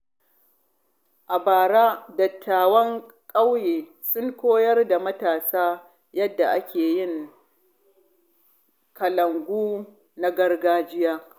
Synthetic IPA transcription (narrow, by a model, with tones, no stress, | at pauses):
ʔa˨baː˨ɾaː˦dɐ˨tʰːaː˨wɐ˦ŋ | kʼa˦wjeː˨ | sʊ˦ŋkʷoː˦jɐ˦rda˨mɐ˦taː˨saː˦ | jɐ˦dːa˨ʔa˦kʲeː˨jɪ˦˨ŋ | kɐ˨lɐ˨ŋɡʷuː˦ | na˦ɡɐ˦rɡaː˦d͡ʒɪ˦jaː˦